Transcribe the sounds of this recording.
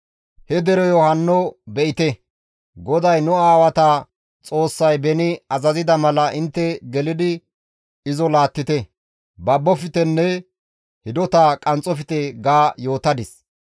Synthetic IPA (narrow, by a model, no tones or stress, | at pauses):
hɛd̪ɛɾɔjɔhɐnːɔbɛʔɪt̪ɛ | ɡɔd̪ɐjnʊaːwɐt̪a | t͡sʼo̞ːsːɐjbɛnɪɐzɐzɪd̪ɐmɐlɐʔɪnt̪ːɛɡɛlɪd̪ɪ | ɪzɔlaːt̪ːɪt̪ɛ | bɐbːɔfɪt̪ɛnːɛ | hɪd̪ɔt̪aːkʼɐnt͡sʼɔfɪt̪ɛɡaːjo̞ːt̪ɐd̪ɪs